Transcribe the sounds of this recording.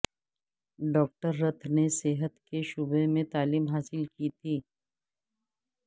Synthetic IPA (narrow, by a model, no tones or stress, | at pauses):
ɖɔːk̚ʈəɾːət̪ʰneseːɦət̪keʃʊbemẽt̪aːliːmɦaːsɪlkit̪ʰiː